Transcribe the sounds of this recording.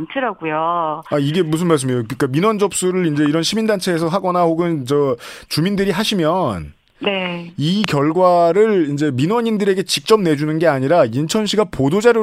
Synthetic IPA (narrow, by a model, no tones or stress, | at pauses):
ntʰɯɾaɡujoaiɡe̞mus̬ʰɯnmaɭs̬ɯmejokɯik͈aminwʌnd͡ʑʌp̚s͈uɾɯɾind͡ʑe̞iɾʌnɕʰimindant͡ɕʰe̞ːsʰʌɦaɡʌnahoɡɯnt͡ɕʌt͡ɕumindɯɾiɦaɕʰimjʌn | ne̞ikjʌɭɡwaɾɯɭind͡ʑe̞minwʌɲindɯɾe̞ɡe̞t͡ɕik̚t͡ɕ͈ʌm̚ne̞d͡ʑunɯnɡe̞aɲiɾaint͡ɕʰʌnɕʰiɡapodod͡ʑaɾjo